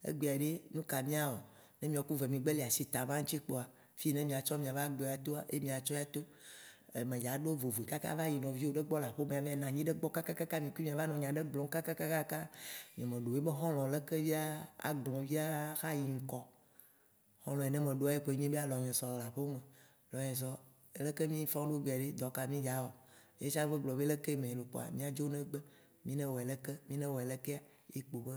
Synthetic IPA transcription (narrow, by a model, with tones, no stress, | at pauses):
ḛ˦ɡ͡be˨a˨ɖe˦nũ˦ka˨mĩ˦a˨o˨ | nẽ˦mĩ˨a˨ku˦ve˨mĩ˨ɡ͡be˦le˨a˨si˦t̪a˨mã˦ŋ̩̃˦t͡ɕi˦k͡po˨a˨ | fi˦nɛ̃˦mĩ˨a˨t͡ʃɔ˦mĩ˨a˨va˦ɡ͡be˨a˨t̪o˦a˨ʔe˦mĩ˨a˨t͡ʃɔ˦ja˦t̪o˦ | e˨mẽ˨ja˨ɖo˦vo˨ve˨ka˦ka̰˦va˦ji˨nɔ̃˨vi˦wo˦ɖe˦ɡ͡bɔ˦la˨ɸo˦mĩ˨a˨vi˦a˦nã˨ɲĩ˦ɖe˦ɡ͡bɔ˦ka˦ka˦ka˦ka˦mĩ˨ki˦mĩ˨a˨va˦nɔ̃˨ɲã˨ɖe˦ɡ͡blɔ˨ŋ˦ka˦ka˦ka˦ka˦ka˦mĩ˨ã˨mẽ˨ɖo˨e˦be˦ɦɔ̃˦l̃ɔ̃˨le˦ke˦vi˦a˦a̰˨ɡ͡blɔ̃˨vi˦a˦xa˦ji˨ŋ̩˨kɔ˨ | xɔ̃˦l̃ɔ̃˨ɛ˨nɛ̃˦mẽ˨ɖo˦a˨˦je˦k͡po˨˦ɲẽ˦be˦a˦lɔ˨m̃˨ɛ̃˨sɔ˨lla˨ɸo˦mẽ˨ | lɔ˨ɲɛ̃˨z̬ɔ˦ | e˦le˦ke˦mĩ˦fã˦ɖo˦ɡ͡ba˨ɖe˦d̪ɔ˨ka˨mĩ˦d͡ʒa˨˦wɔ˨je˦sa˦ve˦ɡ͡blɔ˨be˦le˦ke˦˨mẽ˨lo˨k͡pɔ̰˨a̰˨mĩ˦a˨d͡ʒo˦nɛ̃˦ɡ͡be˦ | mĩ˦nɛ̃˦wɔ˨ɛ˨lɛ˦kɛ˦mĩ˦nɛ̃˦wɔ˨ɛ˨lɛ˦ke˦a˨ | je˦k͡po˨be˦